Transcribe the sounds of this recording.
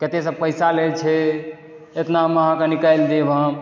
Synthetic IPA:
ket̪es̬əb̚pəjsalet͡ʃʰɛ | et̪naməɦãkenikajld̪ebʱə̃

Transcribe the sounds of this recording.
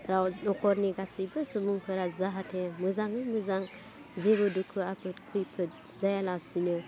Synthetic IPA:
ɾawnɔkʰɔɾniɡasibɯsubuŋkʰɯɾazaɦatʰemɯzaŋɯmɯzaŋ | zeβudukʰɯapʰɯtkʰujpʰɯt̚ | zajalasunɯ

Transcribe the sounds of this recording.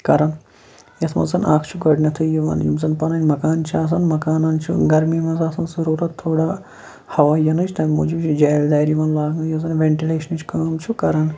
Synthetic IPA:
kɐɾɐn | jɐsmɐ̰nsɐnaːkʰt͡ʃʰuɡɐɖnʲɐt̪ʰɨjiʋɐ̰njṵmzɐnpɐnɐnʲmɐkaːnt͡ʃʰiaːs̬ɐnmɐkaːnɐnt͡ʃʰṵɡɐɾmiːmɐnzaːsɐnzɐɾuːɾɐt̪ʰːoːɽaː | hɐʋaːjɐnɐt͡ʃʰt̪ʰɐmʲmud͡ʒibt͡ʃʰid͡ʒaːjld̪aːɾiʋɐnlaːɡŋɐjɐz̬ɐnʋeɳʈileːʃɐnɨt͡ʃʰkɐːmt͡ʃʰukɐɾɐn

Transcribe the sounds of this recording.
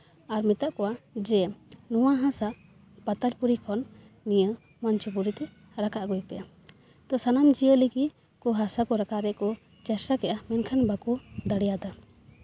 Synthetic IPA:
aɾmɛt̪aʔkɔwad͡ʒɛnuwaɦãsa | pat̪alpuɾikʰɔnː | ijə | mant͡ʃipuɾit̪ɛ | ɾakaʔɡɔjpɛʔa | t̪ɔsanamd͡ʒijɔliki | kɔɦasakɔɾakaɾɛkɔ | t͡ʃɛsɾakɛʔamɛnkʰanbakud̪aɽɛjad̪a

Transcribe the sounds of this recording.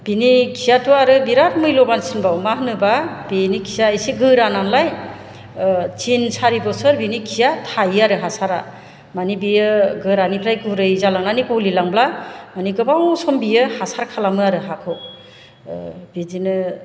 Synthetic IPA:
b̥inikʰijatuaɾɯbiɾaɾ̚mɯjlɔbansinbawmaɦnɯbabenikʰijaejsiɡɯɾananlaj | t͡ʃinsaɾibɔsɯɾbinikʰijatʰajaɾɯɦasaɾa̰ | manibijɯɡɯɾanipʰɾajkʰuɾɯjzalaŋnanibɔwlilaŋblamaniɡɯbawsɔmbijɯhasaɾkʰalamɯaɾɯɦakʰɯw | b̥idinɯ

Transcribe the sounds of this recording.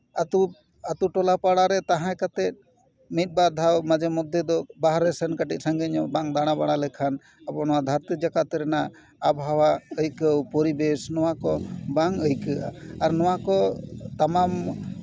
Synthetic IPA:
at̪u | at̪uʈɔlapaɽaɾɛt̪aɦãkat̪ɛt̪̚ | mit̪̚ˀbad̪ʱawmad͡ʒɛmɔd̪ʱjɔd̪ɔbaɦɾɛsənkaʈit̪̚ˀsaŋɡəɲɔbaŋd̪aɽ̃abaɽ̃alɛkʰan | abɔnɔwad̪ʱaɾt̪id͡ʒakat̪ɛɾɛnaʔ | abɦawaəjkəwpɔɾibɛsnɔwakɔbaŋəjkəʔaaɾnɔwakɔt̪amam

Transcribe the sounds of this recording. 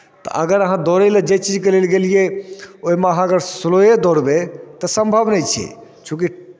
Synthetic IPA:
t̪ɔ̰ʔəɡəɾəɦãd̪ɔɾeled͡ʒet͡ʃid͡ʒkelelɡelijeoɦimeəɦãəɡəɾslojed̪oɾbet̪ɔsə̃mbʱəbnɛjt͡ʃʰɛ̰t͡ʃʰũk̬i

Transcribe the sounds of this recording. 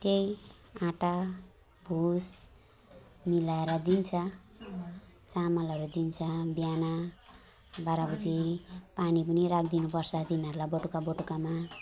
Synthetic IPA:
t̪ej | ãʈa | bʱus | milaeɾʌd̪int͡sʰʌ | t͡samʌlʌɾud̪int͡sʰʌbjana | baɾabʌd͡zipanipʌniɾak̚ʰd̪inupʌrt͡sʰʌd̪inʌɾulaboʈukaboʈukama

